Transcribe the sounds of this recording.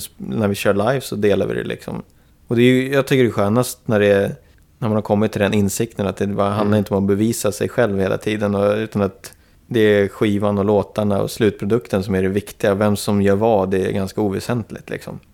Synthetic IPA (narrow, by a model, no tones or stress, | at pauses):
næɾvɪɕœːɭajvsɔd̪eːla̰vɪ̰d̪ɛ̰lɪ̰ksɔ̰m | ɔd̪ɛjɵjɑːɡt̪ʰʏkːəɖɛɧøːnast̪næɖɛ | næmanhaɾkʰɔmːɪt̪ʰːɪld̪ɛnɪnsɪk̚t̪ənat̪̚d̪ɛbɦand̪aɾɪnt̪əɔmɔbɛviːsasɛ̰jɧɛlvheːla̰t̪ʰiːd̪ənɔʉ̟ːt̪anat̪ | d̪ɛæɧiːvanɔloːt̪aɳaɔ̰slʉ̟t̪̚pʰɾʊd̪ɵkt̪ənsɔmæɖɛvɪkt̪ɪɡavɛmsɔmjœːɾvɑːd̪ɛ̰ːɡanskauːvɛsɛnt̪lɪ̰t̪lɪ̰ksɔ̰m